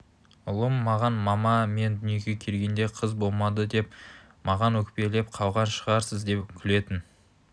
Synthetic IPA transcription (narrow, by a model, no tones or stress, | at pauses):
ʊlˠəmːɑʁɑnmɑmɑme̞nd̪ʏnje̞ɡʲe̞kʲʰe̞lɡʲe̞nd̪e̞qʰəzbo̞lˠmɑd̪əd̪e̞p | mɑʁɑnwɵkʲpe̞le̞pqʰɑwʁɑnʃəʁɑɾsəzd̪e̞pkʲʰɪle̞t̪ɪn